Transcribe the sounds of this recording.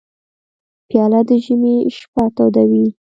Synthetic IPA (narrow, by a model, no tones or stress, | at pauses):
pjɑlad̪əʒəmeʃpɑt̪od̪awi